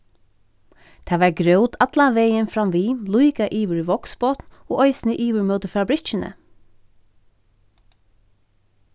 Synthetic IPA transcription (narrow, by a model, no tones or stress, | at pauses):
t̪ʰɑːʋɑːɹɡɹœʊt̪ʰɑd̪̥lɑʋeɪənfɹɑmʋiːmluɪkɑʔiːʋʉɹʋɔksboːt̪n̩oːʔœʏsnəʔiːʋəɹmœːt̪əfɹɑːbɾɪt͡ʃənʔə̰